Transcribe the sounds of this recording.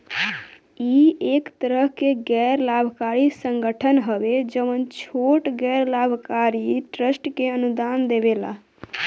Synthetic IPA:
iekt̪əɾəɦkeɡɛɾlabʱkaɾisə̃ŋɡəʈʰənɦəʋed͡ʒəʋənt͡ʃʰoʈɡɛɾlabʱkaɾiʈɾəsʈkeənud̪and̪ebela̰

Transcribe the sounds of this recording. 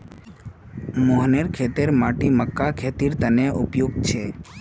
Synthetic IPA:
moɦneɾkʰet̪eɾmaʈiməkːakʰet̪iɾt̪əneʔupjoɡ̚t͡ʃʰe

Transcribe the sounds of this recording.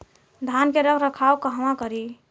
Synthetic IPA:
d̪ʱankeɾəkʰɾəkʰawkəɦwãkəɾi

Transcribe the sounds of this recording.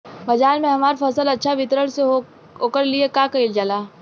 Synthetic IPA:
bɐd͡ʒaːɾmẽɦɐmaːɾfɐsəlɐtːʃʰaʋɪt̪ɾəɽse | ɦoːkəɾliekakɐild͡ʒalaː

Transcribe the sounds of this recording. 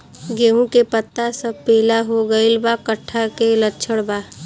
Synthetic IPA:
ɡeːũkepət̪ːasəb̚peːlaɦoɡəɪlbakəʈʰːakelətːt͡ʃʰəɽbaː

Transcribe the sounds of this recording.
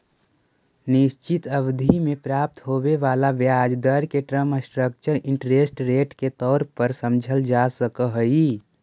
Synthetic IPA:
nɪʃt͡ʃɪt̪əbd̪ʱimẽpɾaːp̚t̪ɦoʋeʋaːlaʋjaːd͡ʒd̪əɾkeʈɾəməsʈɾək̚t͡ʃəɾɪ̃ɳʈɾeːsʈɾeːʈket̪ɔːɾpəɾsəmd͡ʒʱəld͡ʒasəkəɦəi

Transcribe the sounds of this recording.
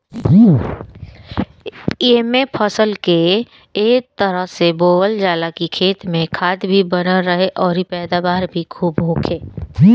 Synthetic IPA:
eːmẽpʰəsəlkeː | k̚t̪əɾəɦseboːʋəld͡ʒaːlakikʰeːt̪mẽkʰaːd̪bʱibənəːəɦeʔɔːɾipɛːd̪aːbaːɾbʱikʰuːbɦõːkʰeː

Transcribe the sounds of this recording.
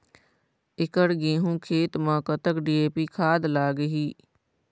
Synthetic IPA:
ɪkəɽɡẽːɦũːkʰeːt̪mãːkət̪əkɖiːeːpiːkʰaːd̪laːɡəɦiː

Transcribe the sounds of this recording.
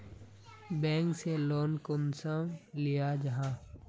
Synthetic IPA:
bɛ̃ːŋkseloːnkonsəmlijad͡ʒɐɦãː

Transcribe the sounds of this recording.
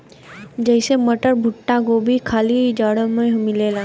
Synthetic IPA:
d͡ʒəɪseməʈəɾbʱʊʈːakobʱikʰaːlid͡ʒaɽəmẽmɪleːla

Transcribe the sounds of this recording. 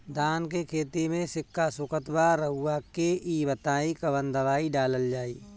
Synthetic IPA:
d̪aːnkekʰeːt̪imẽsɪkːasʊkət̪baɾəɦʊːakeibət̪aːikɐbə̃nd̪əʋaːiɖaːləld͡ʒaːiː

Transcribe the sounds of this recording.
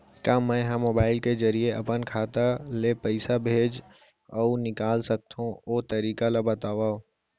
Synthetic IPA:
kaːmɛ̃ɦãmoːbaːɪlkezɐɾieɐpənkʰaːt̪alepɐɪsabʱeːd͡ʒ | ɔunɪkaːlsɐk̚t̪ɦũoːt̪ɐɾiːkalabɐt̪aːʋaːo

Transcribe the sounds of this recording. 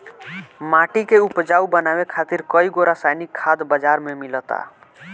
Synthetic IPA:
maʈikeupd͡ʒaubənabekʰat̪iɾkəiɡoɾasajnikʰːad̪bəd͡ʒaɾmemilət̪a̰

